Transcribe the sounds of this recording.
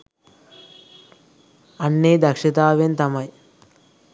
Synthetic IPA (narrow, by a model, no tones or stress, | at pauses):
ɐnːeːd̪ɐkʂɐt̪aːʋent̪ɐmɐj